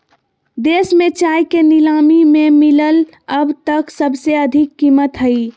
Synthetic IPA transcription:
d̪esmẽt͡ʃajkenilamimemiləl | əbʱt̪əksəbseəd̪ʱikːimət̪ɦəi

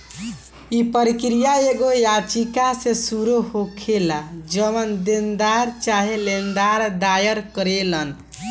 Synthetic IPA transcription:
ipəɾikɾijaeɡojat͡ʃikasẽsuɾuɦokʰelad͡ʒəmənd̪end̪aɾt͡ʃaɦelend̪aɾd̪ajəɾkəɾelən

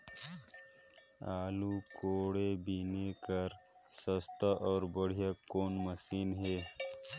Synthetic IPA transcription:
aːlukoːɽebʱinekəɾ | səst̪ʰaʔɔːɾbəɽ̤ijakːoːnməsiːnɦeː

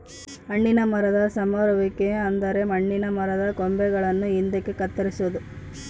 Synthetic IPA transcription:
ɐɳːinɐmɐɾɐd̪ɐsɐmɐɾɐʋikːeɐnd̪ɐɾe̞mɐɳːinɐmɐɾɐd̪ɐkombɛɡɐɭɐnːuind̪ɐkːekɐt̪ːɐɾisuʋud̪u

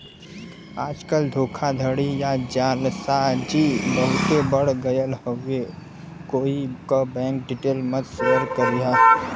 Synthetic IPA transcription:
aːd͡ʒkəld̪ʱoːkʰad̪ʱəɽijad͡ʒaːlsad͡ʒibəɦʊt̪ebəɽɡəjəlɦəe | koːikobɛ̃ːŋk̚ɖɪʈeːlmət̪səɾkəɾiɦaː

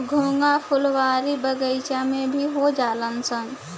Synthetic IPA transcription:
ɡʱũːŋɡapʰʊlʋaːɾibəɡəɪt͡ʃamẽbʱiɦod͡ʒaːlənsən

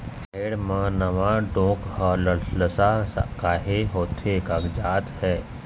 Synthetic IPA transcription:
kʰeːɽmãnəʋãɖõːkhəlləsakaːɦeɦoːt̪ʰekaɡd͡ʒaːt̪hɛː

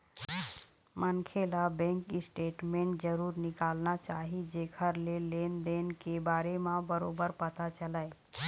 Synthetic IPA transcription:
mənkʰelabɛ̃ŋkɪsʈeʈmẽɳʈd͡ʒəɾuːɾnɪkalnat͡ʃaɦid͡ʒekʰəɾlelend̪enkebaːɾemãbəɾobəɾpət̪at͡ʃəlae

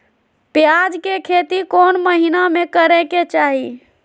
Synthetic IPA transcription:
pjad͡ʒkekʰet̪ikonməɦinamekəɾeket͡ʃaɦi

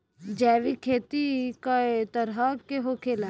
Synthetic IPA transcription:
d͡ʒɛːʋikʰeːt̪ikat̪ɐɾɦəkeɦokʰeːla

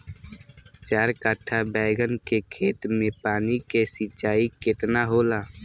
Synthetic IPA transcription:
t͡ʃaːɾkaʈʰːabɛːɡənkekʰeːt̪mẽpaːnikesit͡ʃaːikɪt̪naɦoːla

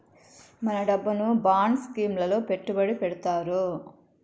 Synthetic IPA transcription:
mɐnɐɖɐbːunubaːɳskiːmlɐlo̞ːpe̞ʈːubɐɽipɛɽut̪aːɾu

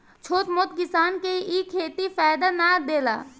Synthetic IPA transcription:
t͡ʃʰoːt̪moːt̪̚kɪsaːnkeiːkʰːeːt̪ifɛːd̪anad̪eːla̰ː

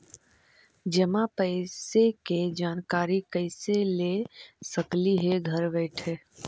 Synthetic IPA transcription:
d͡ʒəmãpəɪseked͡ʒaːnkaːɾikəɪselesəkliɦeɡʱɐɾbɛːʈʰeː

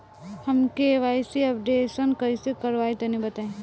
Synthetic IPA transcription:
hɐmkeʋaːjsiɐp̚ɖeːsənkɐisekɐɾʋaːit̪ɐnibɐt̪aːẽ

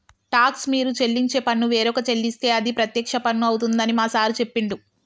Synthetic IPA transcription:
ʈaːksmiːɾut͡ʃe̞lːiɲt͡ʃe̞ːpɐnːuʋeːɾɔkɐt͡ʃe̞lːist̪e̞ːɐd̪ipɾɐt̪jɐkʂɐpɐnːuɐwut̪und̪ɐnimaːsaːɾut͡ʃe̞pːiɳɖu

